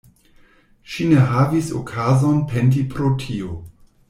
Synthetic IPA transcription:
ʃineɦavisokʰazonpent̬ipʰɾotʰio

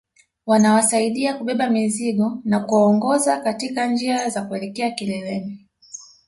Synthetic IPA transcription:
wanawasaiɗiakuɓɛɓamiziɠɔnakuaɔŋɡɔzakatikand͡ʒiazakuɛlɛkɛakilɛlɛmi

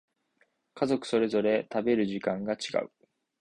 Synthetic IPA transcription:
kazo̞kɯ̟̥so̞ɾe̞zo̞ɾe̞t̪abe̞ɾɯ̟ʑikãŋɡat͡ɕiɡa̰ɯ̟

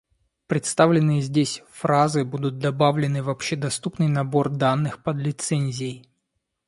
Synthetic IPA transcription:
pɾʲɪt̪st̪avlʲɪnːɨjəzʲdʲesʲfɾazɨbud̪ʊt̪̚d̪ɐbavlʲɪnɨvɐpɕːed̪ɐst̪upnɨjnɐbo̞rd̪anːɨxpəd̪lʲɪt̪sɛnʲzʲɪj

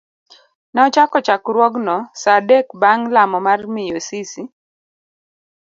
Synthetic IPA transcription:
nɛɔt͡ʃakɔt͡ʃakɾwɔɡnɔsadɛkbaŋlamɔmarmɪjosisi

